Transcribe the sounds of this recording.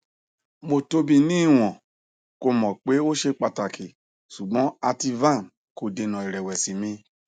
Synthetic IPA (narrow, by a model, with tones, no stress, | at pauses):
mo˧to˧bĩ˧nĩ˦˨w̃ɔ̃˨ | ko˧mɔ̃˨k͡pe˨˦o˦ʃe˧k͡pa˧ta˨kʰi˨ | su˨ɡ͡bɔ̃˨˦a˧ti˧vã˦˨n | ko˨de˧nɔ̃˨i˨ɾɛ˨wɛ˨si˨mĩ˧